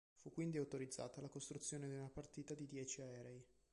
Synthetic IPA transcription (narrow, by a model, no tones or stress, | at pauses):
fukːwind̪iawt̪oɾid̪zːa̰ːt̪alakost̪ɾut̪sːjoːned̪iunapart̪iːt̪ad̪id̪jɛːt͡ʃiaɛːɾɛi